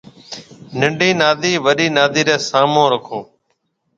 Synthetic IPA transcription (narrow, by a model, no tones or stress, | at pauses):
nɪɳɖiːnaːd̪iːʋəɗiːnaːd̪iːɾeːsaːmõːɾəkʰõː